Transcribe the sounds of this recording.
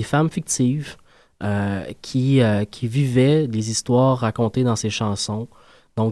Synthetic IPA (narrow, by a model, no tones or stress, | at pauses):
efamfik̚t̪iv | økʲʰiøkʲʰivivɛlezist̪wɑːʁːakɔ̃t̪ed̪ɑ̃seʃɑ̃ːsɔ̃ | d̪̥ɔ̃